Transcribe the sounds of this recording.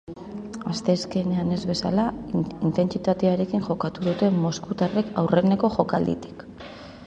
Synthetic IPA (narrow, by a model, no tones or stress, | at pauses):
ast̪eske̞ne̞ane̞zβe̞sa̰laint̪e̞nt͡sit̪at̪eaɾe̞kiŋʝo̞kat̪uðut̪e̞mo̞skut̪are̞kawre̞ne̞ko̞ʝo̞kald̪ḭt̪i̥k